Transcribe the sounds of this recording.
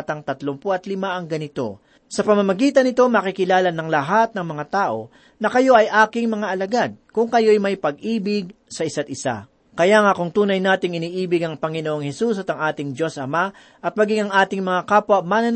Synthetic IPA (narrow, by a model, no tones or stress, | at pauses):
t̪ɐŋt̪ɐt̪lompʔɐt̪lɪmaʔɐŋɡɐnɪt̪o̞̰ | sɐpɐmɐmɐɡiːt̪ɐnɪt̪o̞mɐkɪkɪlaːlɐnɐŋlɐɦat̪̚nɐŋmɐŋat̪aːʔo̞̰ | nɐkɐjo̞ʔɐjʔaːkɪŋmɐŋaʔɐlɐɡad̪̚kʊŋkɐjo̞jmɐjpɐɡ̚ʔiːbɪɡ̚sɐʔɪsat̪̚ɪsa̰ | kɐjaːŋakʊŋt̪uːnɐjnaːt̪ɪŋɪniːʔiːbɪɡɐŋpɐŋɪnoʔoŋhɛsusɐt̪ɐŋʔaːt̪ɪŋd͡ʒo̞sɐma | ʔɐt̪̚mɐɡiŋɐŋʔaːt̪ɪŋmɐŋakaːpwɐt̪̚manɐn